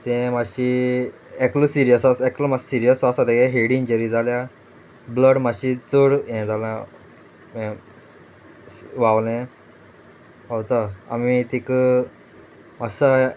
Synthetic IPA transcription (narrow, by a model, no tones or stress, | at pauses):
t̪ɛ̃maɕi | ɛklusiɾijəsasɛklumassiɾijəsasat̪ekɛɦeɽĩnd͡ʑəɾid͡zalja | bləɽmaɕit͡səɽɛ̃d͡zalã | ɛ̃ | ʋaʋlɛ̃ | awt̪aa̰mit̪ikə | masa